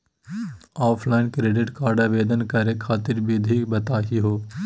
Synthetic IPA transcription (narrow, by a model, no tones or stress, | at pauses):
ɔːpʰlaːɪnkɾeːɖɪʈkaːɾɖaʋeːd̪ənkəɾekʰaːt̪ɪɾbiːd̪ʱibɐt̪aːɦiɦoː